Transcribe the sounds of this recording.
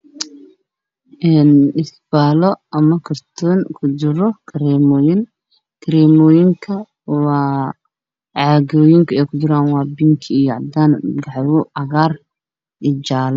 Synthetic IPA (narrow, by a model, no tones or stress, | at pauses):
ʔɛːnɪsb̥aːlɔʔɐmɐkʰɐrt̪ʰuːŋkʰʊd͡ʒɪɾɔkʰɐɾɛːmɔːjɪŋ | kʰɐɾɛːmɔːjɪŋkʰɐ | wɑː | ʕɑːɣɔːjɪŋkʰɐɛːkʰʊd͡ʒɪɾaːnwɑːbɪŋkʰɪijɔʕɑ̰d̪aːnɡɑʕwʊɑɣaːr | ɪt͡ʃaːlɔ